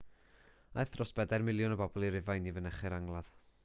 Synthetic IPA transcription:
ajθd̥rɔsb̥ɛdarmɪlˠjʊnəbɔbɔlˠiɾɪvajnivənɛχɪɾaŋlˠað

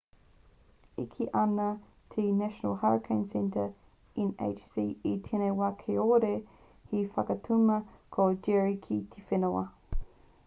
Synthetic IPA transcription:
ikʰiʔɐnɐ | tʰinæʃənə̰lˠhaɹkʰẽnsɛ̃ntʰə | inḛt͡ʃsiːitʰenewɐkʰeoɾe | hifɐkɐtʰumɐkʰod͡ʒɛɹikʰit̪ʰifenowɐ̰

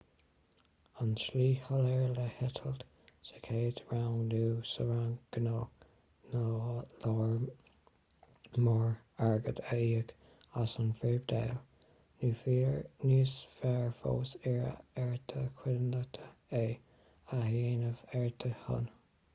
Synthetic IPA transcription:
anʃliːhəlɛɹləhɪt̪ʰəld̪ | sə̥kʰeːtɹawŋduːsəɹaŋɡ̥əno | nolɔːɹ | mɔɹ | aɹɡəd̪əiːək | asənfɹeːb̚d̪ḛːl | nuːfiːɹniːsfɛɹfo̰ːsɛɹə̰ɛɹt̪ʰəkʰwɪlnət̪ʰəeː | aheːnəvɛɹt̪ʰəhʊ̰n

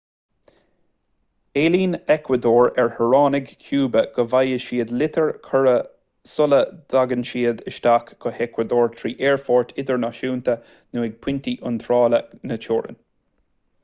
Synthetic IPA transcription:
eːliːnɛkʰwəd̪oːɹɛɹhəɹɑːnɪɡkʲʰjuːbəɡ̥əvajəʃiːəd̪lɪt̪ʰəɹkʰəɹə | sʊləd̪̥aɡənʃiːəd̪əʃt̪akɡɔhɛkwəd̪oːɹt̪ʰɾiːʔeːɹfɔːɹt̪ʰɪd̪əɹnɑʃuːnt̪ə | nuːɪɡ̚pʰwɪnt̪iʔʊnt̪ʰɾɑːlənət͡ʃʰoːɹə̰n

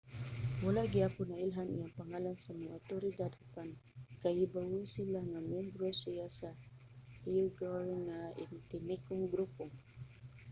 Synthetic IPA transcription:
walaʔɡɪapʊnailɦanʔḭjaŋpaŋalansamaŋʔat̪oɾid̪ad̪apankahibawʊsilaŋamjɛmbɾosijasa | ijʊɡaɾŋŋaɪ̰nt̪ɪnɪkʊŋɡɾupʊ

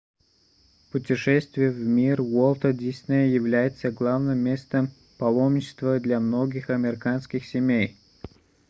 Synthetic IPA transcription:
pʊtʲɪʂɛsʲt̪vʲɪjəvmʲirwolˠt̪ədʲisʲnəjjɪvlʲæjɪt̪səɡlˠavnɨmʲːest̪əm | pɐlˠomnʲɪt͡ɕɪ̥st̪vəd̪lʲamnoɡʲɪxɐmʲɪɾʲɪkanskʲɪxsʲɪmʲej

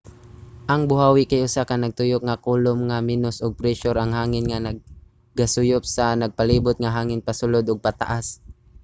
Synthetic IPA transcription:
ʔɐŋbʊhaːwɪkajʔʊsakanɐɡ̚t̪ʊjʊk̚ŋakuːlʊmŋaminʊsʔʊɡ̚pɾɛʃʊɾʔɐŋhaːŋɪnŋanɐɡ̚ | ɡasʊjʊp̚sanɐɡ̚pɐliːbʊt̪̚ŋaɦaːŋɪnpɐsʊlod̪ʔʊɡ̚pɐt̪a̰ʔas

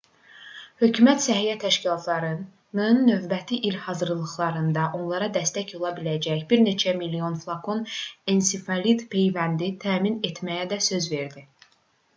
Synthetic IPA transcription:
hø̞cʰymæt̪sæɦijæt̪ʰæʃcilˠɑt̪ʰlˠɑɾɯn | nɯnːø̞vbæt̪ʰiʔilhɑzɯɾlˠɯχlˠɑɾɯnd̪ɑʔo̞nlˠɑɾɑd̪æst̪æco̞lˠɑbilæd͡ʒæçbiɾne̞t͡ʃʰæmilːio̞nflˠɑkʰo̞nensifɑlid̪pʰe̞jvænd̪it̪ʰæːminet̪mæjæd̪æsø̞zve̞ɾd̪i

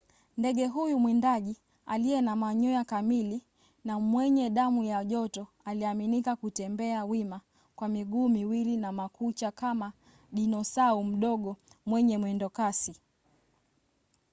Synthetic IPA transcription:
ndɛɠɛɦujumwɛndaʄi | alijɛnamaɲɔjakamili | namwɛɲɛɗamujaʄɔtɔ | aliaminikakutɛmbɛawima | kwamiɠuːmiwilinamakut͡ʃakama | ɗinɔsaum̩ɗɔɠɔmwɛɲɛmwɛndɔkasi

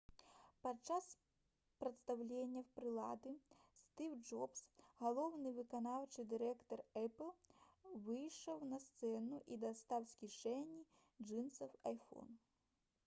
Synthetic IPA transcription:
pat͡ʂas | pɾɐt̪st̪awlʲenʲːɐpɾɨlˠa̰d̪ɨst̪ɨwd͡ʐɔpsɣalˠɔwnɨvɨkanawt͡ʂɨd̪ɨɾɛkt̪ɔrɛplˠvɨjʂɐwnɐst̪sɛnuʔid̪ast̪awsʲkʲiʂɛnʲːi | d͡ʐʐɨnsɐwajfɔ̰n

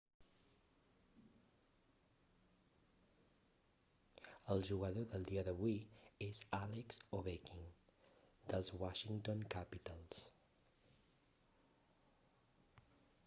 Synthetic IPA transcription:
əlˠʒuɣəðoðəlˠd̪iəðəβwiezalekzoβekiŋ | d̪əlˠzwaʃiŋt̪onkapit̪əlˠs

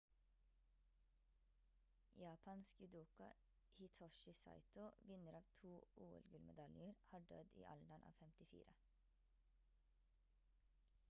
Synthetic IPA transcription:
jɑːpʰɑnskəd̪uːkɑ | hɪt̪ʰɔʃɪsɑ̰ɪt̪ʊʋɪnəɾɑːʋt̪ʰuːʔuːɛ̰lɡʉlmɛd̪ɑljəɾhɑːɖœd̪ḭːʔɑ̰lɖɑnʔɑ̰ːʋfɛmt̪ɪfḭːɾə

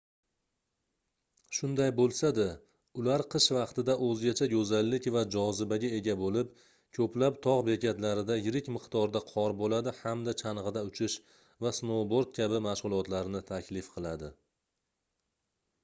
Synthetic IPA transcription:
ʃʊnd̪ajbolˠsad̪a | ʊlaɾqʰɨʃvɑqt̪ɪd̪aʔɵzɡʲat͡ʃʰaɡɵzalːɪkʲvad͡ʒɒzɪbaɡʲae̞ɡʲabolɪp | kʰɵplapt̪ʰɒʁbe̞kʲʰat̪laɾɪd̪ajɪɾɪkʲmɨqt̪ɒɾd̪aqʰɒɾbolad̪ɪhamd̪at͡ʃʰanʁɨd̪aʊt͡ʃʰɪʃ | vasnoboɾd̪̚kʲʰabɪmaʃʁʊlˠɒt̪laɾnɪt̪ʰakʲlɪfqʰɨlˠad̪ɪ

